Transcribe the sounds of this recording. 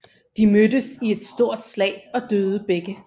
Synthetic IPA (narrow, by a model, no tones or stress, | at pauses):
d̥imødəsie̝d̥sd̥o̝ɐ̰d̥slɛ̰ɪɒ̽d̥øːð̞ˠəb̥eɡ̥ə